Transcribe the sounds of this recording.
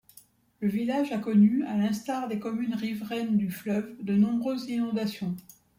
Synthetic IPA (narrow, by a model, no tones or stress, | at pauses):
ləvilaʒakɔnyalɛ̃st̪aʁd̪ekɔmynʁivʁɛnd̪yflœvd̪ənɔ̃bʁøzinɔ̃d̪asjɔ̃